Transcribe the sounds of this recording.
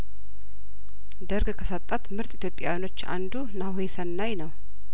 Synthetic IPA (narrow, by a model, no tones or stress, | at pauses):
d̪əɾɡkʰəsat̪ʼːat̪mɨɾt̪ʼit̪ʰjo̞pʼja̰wino̞t͡ʃːa̰nd̪unawesənːajnəw